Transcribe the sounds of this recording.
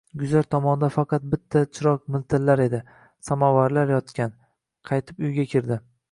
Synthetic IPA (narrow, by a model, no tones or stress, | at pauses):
ɡʊzaɾt̪ʰɒmɒnd̪afɑqɑt̪̚bɪt̪ʰːat͡ʃʰɪɾɒkmɪlt̪ʰɪllaɾe̞d̪ɪ | samavaɾlaɾjɒt̪kʲʰan | qʰɑjt̪ʰɪpʊjɡʲakʲʰɪɾd̪ɪ